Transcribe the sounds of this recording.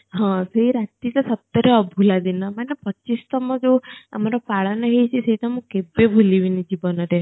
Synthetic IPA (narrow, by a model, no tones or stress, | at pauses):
ɦãseiɾat̪it̪asəp̚t̪əɾeəbʱulad̪inamanepət͡ʃːist̪əmɔ̃d͡ʒoə̰maɾapaɭaneɦejt͡ʃʰeseʈamũkebebʱuliʋinid͡ʒibənəɾe